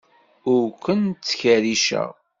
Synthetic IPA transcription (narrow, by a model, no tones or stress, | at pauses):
ʊɾkʷənt͡sːçəɾiʃə̰ʁ